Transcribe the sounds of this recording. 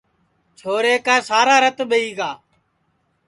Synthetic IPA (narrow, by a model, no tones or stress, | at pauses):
t͡ʃʰoːɾeːkaːsaːɾaːɾət̪ɓəiːɡaː